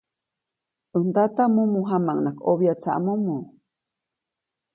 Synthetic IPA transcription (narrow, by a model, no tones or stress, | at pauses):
ʔɨnd̪at̪amũmũɦamãŋnakoβjat͡sa̰ʔmumũ